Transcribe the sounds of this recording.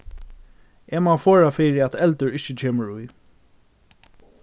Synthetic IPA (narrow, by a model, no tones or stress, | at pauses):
ɛːmafɔːɾafɪːɾɪat̪ʰɛlt̪ʊɾɪt͡ʃːɪt͡ɕʰeːməɾʊj